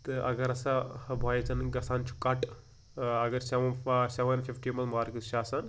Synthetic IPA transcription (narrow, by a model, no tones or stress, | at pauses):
t̪ɨʔɐ̰ɡɐɾɐsabʱoːjɐt͡sɐnɡɐsaːnt͡ʃʰu̥kɐʈ | ɐɡɐɾsɐʋɐnsɐʋɐnfifʈiːmɐnmaːɾkɨʃaːsɐn